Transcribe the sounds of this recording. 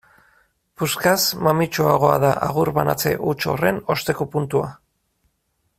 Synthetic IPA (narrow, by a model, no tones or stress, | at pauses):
puskasmamit͡ʃoaɣ̞o̞a̰ðaʔaɣ̞uɾβana̰t͡se̞̰ʔut͡ʃo̞̰re̞no̞st̪e̞kopunt̪ua